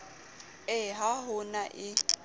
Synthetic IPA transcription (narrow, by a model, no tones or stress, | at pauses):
ɛɦaɦʊnaʔɪ